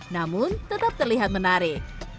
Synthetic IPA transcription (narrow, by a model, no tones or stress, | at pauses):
namʊnt̪ət̪ap̚t̪ərliɦat̪̚mənaɾɪk̚